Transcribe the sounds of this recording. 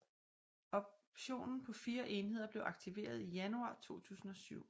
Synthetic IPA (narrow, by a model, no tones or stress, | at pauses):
ɒ̽bɕo̝̰ːnn̩pʰɒ̽fiːɐʔe̝nɦe̝ð̞̰ˠɐb̥le̝ʊʔɑ̈ɡ̥̚t͡sʰiʋe̝̰ːɐð̞ˠijænuɑ̰̈ːt͡sʰo̝̰ːt͡sʰṵːsn̩ɒ̽syʊ̰